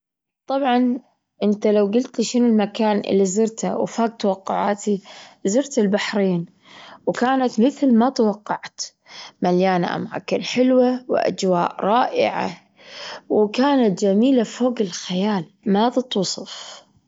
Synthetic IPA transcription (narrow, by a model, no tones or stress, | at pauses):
t̪ˤɑbʕɑn | ʔɪnt̪alawɡɪlt̪liʃɪnʊlmakaːnʔɪ̰lːizɨɾt̪ha̰w̰faːɡ̚t̪wɑqːʊʕaːt̪izɨɾt̪ɪlbaħɾiːn | wkaːnat̪mɪθlmat̪awɑqːɑʕt̪ | maljaːna̰ʔa̰mʕa̰kɪnħɪlwawɪ̰ʔa̰d͡ʒwaːʔɾˤɑːʔɪ̰ʕa̰ | wkaːnat̪̚d͡ʒamiːlafoːɡɪlxajaːl | mat̪ɨt̪ˤwʊsˤɑf